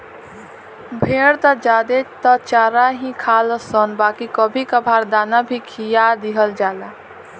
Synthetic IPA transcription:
bʱeːɽt̪əd͡ʒaːd̪et̪ət͡ʃaːɾaɦĩkʰaːləsɔnbaːkikəbʱikəbʱaɾd̪aːnabʱikʰijad̪iɦəld͡ʒaːla

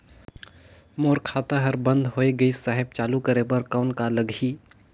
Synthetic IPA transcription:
moːɾkʰaːt̪aɦɐɾbə̃nd̪ʱɦoːeɡɐisaːɦɪb̚t͡ʃaːlukɐɾebɐɾkaʊnkalɐɡʱiː

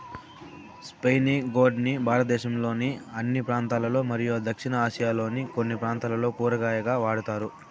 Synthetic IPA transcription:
spejniɡoːɖnibʱaːɾɐt̪ɐd̪ɛːʃɐmlo̞ːniɐnːipɾaːnt̪aːlɐlo̞ːmɐɾijuɐd̪ɐkʂinɐaːʃɐjaːlo̞ːniko̞nːipɾaːnt̪aːlɐlo̞ːpuːɾɐɡaːjɐɡaːʋaːɽut̪aːɾu

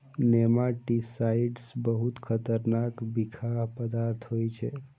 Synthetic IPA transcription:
nemaʈisaiɖsbəɦut̪kʰət̪əɾnakbikʰapəd̪aɾt̪ʰɦojt͡ʃʰe

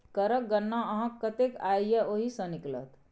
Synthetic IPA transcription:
kəɾək̚ɡənːaəɦãkːət̪ekaːjjeoɦisəniklə̰t̪

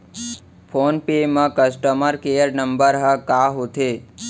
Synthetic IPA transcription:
pʰonpemɐ̃kəsʈəməɾkejəɾnəmbəɾɦəkaɦot̪ʰe

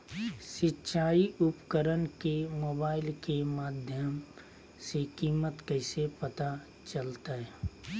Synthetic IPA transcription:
ʃɪtːʃʰaːiʔʊpkəɾənkemoːbaːɪlkemaːd̪ʱjəm | sekiːmət̪kəɪsepɐt̪a | t͡ʃəlt̪aɦɛː

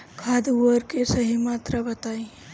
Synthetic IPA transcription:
kʰad̪uəɾkesəɦimaːt̪ɾabət̪aːĩ

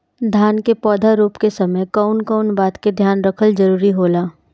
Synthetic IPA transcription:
d̪ʱjaːnkepɔːd̪ʱaɾuːpkesɐməjkaʊnkaʊnbaːt̪ked̪ʱjaːnɾɐkʰəld͡ʒɐɾuːɾiɦoːlaː

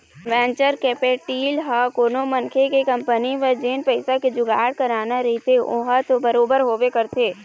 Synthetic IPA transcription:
ʋɛ̃ːt͡ʃəɾkeːpeːʈiːlɦakoːnomɐnkʰekekɐ̃mpəniʋəd͡ʒeːnpəɪsaked͡ʒʊɡaːɽkɐɾaːnaɾɐɦit̪ʰeʔoɦət̪obɐɾoːbəɾɦoːʋekɐɾt̪ʰeː

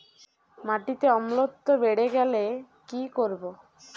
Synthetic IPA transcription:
maʈit̪eɔmlot̪ːobeɽeɡɛle | kikoɾbo

